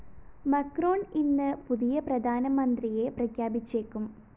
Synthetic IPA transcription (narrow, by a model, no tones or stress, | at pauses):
mɐkro̞ːninːɨpuðijɐprɐd̪ʱaːnɐmɐnd̪rije̞prɐkʰjaːbit͡ɕːeːkːum